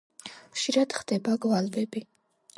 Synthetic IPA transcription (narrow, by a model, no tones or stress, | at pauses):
χʃiɾad̪̥χd̪ɛbaɡvalvɛbi